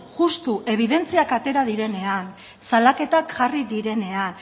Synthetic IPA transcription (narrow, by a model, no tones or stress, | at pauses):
ʝust̪uʔe̞β̞iðe̞nt͡siakat̪e̞ɾaðiɾe̞ne̞an | salake̞t̪akʝariðiɾe̞ne̞an